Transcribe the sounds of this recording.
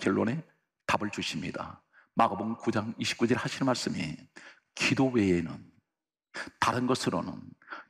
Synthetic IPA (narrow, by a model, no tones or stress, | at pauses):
kjʌɭːone̞ | tabɯɭt͡ɕuɕʰimɲḭda̰ | maɡaboŋkud͡ʑaŋiɕʰi̥p̚k͈ud͡ʑʌɭhaɕʰinɯnmaɭs͈ɯmḭ | kidowe̞enɯ̰n | taɾɯnɡʌsʰɯɾo̰nɯ̰n